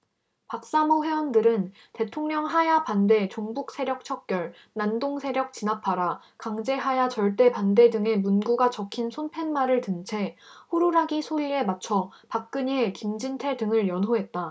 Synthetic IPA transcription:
pak̚s͈amoɸwe̞wʌndɯɾɯn | te̞tʰoŋɲʌŋɦajapande̞t͡ɕoŋbuk̚s͈ʰe̞ɾjʌk̚t͡ɕʰʌk̚k͈jʌɭ | nandoŋsʰe̞ɾjʌk̚t͡ɕinapʰaɾa | kaŋd͡ʑe̞ɦajat͡ɕʌɭt͈e̞pande̞dɯŋe̞munɡuɡat͡ɕʌkʰinsʰonpʰe̞nmaɾɯɭtɯnt͡ɕʰe̞hoɾuɾaɡisʰoie̞mat͡ɕʰʌ | pak̚k͈ɯɲekimd͡ʑintʰe̞dɯŋɯɭjʌnɦoɦe̞t̚t͈a

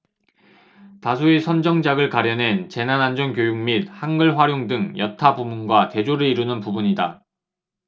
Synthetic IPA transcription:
tasʰuesʰʌnd͡ʑʌŋd͡ʑaɡɯɭkaɾjʌnɦe̞nt͡ɕe̞nanand͡ʑʌnkjojuŋmit̚haŋɡɯɭɸwaɾjoŋdɯŋjʌtʰabumunɡwate̞d͡ʑoɾɯiɾunɯnpubuɲida

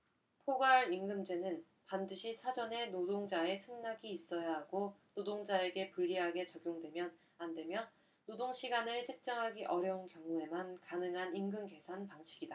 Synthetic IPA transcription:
pʰoɡaɾiŋɡɯmd͡ʑe̞nɯn | pandɯɕʰisʰad͡ʑʌne̞nodoŋd͡ʑae̞sʰɯŋnaɡiːs͈ʌjaɦaɡonodoŋd͡ʑae̞ɡe̞puʎːiɦaɡe̞t͡ɕʌɡjoŋdwe̞mjʌn | ande̞mjʌ | nodoŋɕʰiɡanɯɭt͡ɕʰek̚t͡ɕ͈ʌŋɦaɡiʔʌɾjʌunkjʌŋue̞mankanɯŋɦaninɡɯmke̞sʰanpaŋɕʰiɡida

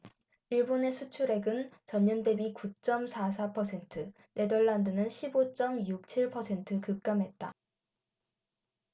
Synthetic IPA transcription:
iɭbone̞sʰut͡ɕʰuɾe̞ɡɯnt͡ɕʌɲːʌnde̞bikut͡ɕ͈ʌmsʰas̬ʰapʰʌsʰe̞ntʰɯ | nʔe̞dʌɭːandɯnɯnɕʰibot͡ɕ͈ʌmjuk̚t͡ɕʰiɭpʰʌsʰe̞ntʰɯkɯk̚k͈amɦe̞t̚t͈a̰

